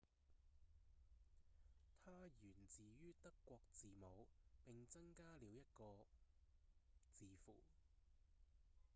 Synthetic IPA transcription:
t̪ʰaː˥jyː˨˩nt͡siː˨jyː˥t̪ɐ˥kːʷɔː˧k̚t͡siː˨mo˨˧wpɪ˨ŋt͡sɐ˥ŋkaː˥liː˨˧wjɐ˥t̚kɔː˧ | t͡siː˨fuː˨˩

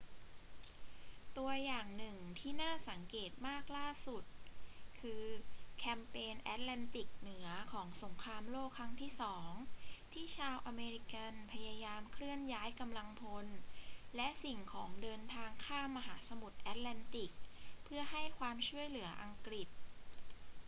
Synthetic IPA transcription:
t̪u˧ɐjaː˨˩ŋnɯ˨˩ŋt̪ʰiː˥˩naː˥˩sa˩˦ŋkeː˨˩t̪̚maː˥˩k̚laː˥˩su˨˩t̪̚kʰɯː˧kʰɛ˧mpeː˧nʔɛ̰˦˥t̪̚lɛː˧nt̪i˨˩k̚nɯ˩˦ɐkʰɔː˩˦ŋso˩˦ŋkʰɾaː˧mloː˥˩kʰːɾa˦˥ŋt̪ʰiː˥˩sɔː˩˦ŋt̪ʰiː˥˩t͡ɕʰaː˧wʔa˧meː˧ɾi˧˥ka˧npʰa˧jaː˧jaː˧mkʰɾɯ˥˩ənjaː˦˥jka˧mla˧ŋpʰo˧nlɛ˦˥ʔsi˨˩ŋkʰɔː˩˦ŋdɤː˧nt̪ʰaː˧ŋkʰaː˥˩mːa˧ɦaː˩˦sa˧mu˨˩t̪̚ʔɛː˦˥t̪̚lɛː˧nt̪i˨˩k̚pʰɯ˥˩ɐɦa˥˩jkʰwaː˧mt͡ɕʰu˥˩əjlɯ˩˦ɐʔa˧ŋkɾi˨˩t̪̚

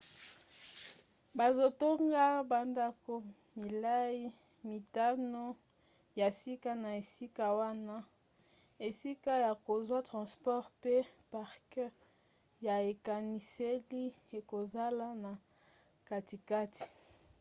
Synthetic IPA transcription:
ba˨zo˨to˦ŋɡa˦ba˨nda˦ko˨ | mi˨la˦ji˦ | mi˨ta˦no˦ | ja˨si˦ka˦na˨e˨si˦ka˦wa˦na˦ | e˨si˦ka˦ja˨ko˨zwa˦tʁɑ̃˨spɔ˦ʁpe˦pa˨ʁkə˦ | ja˨e˨ka˨ni˨se˦li˦e˨ko˨za˦la˦na˨ | ka˨ti˨ka˦ti̥˨

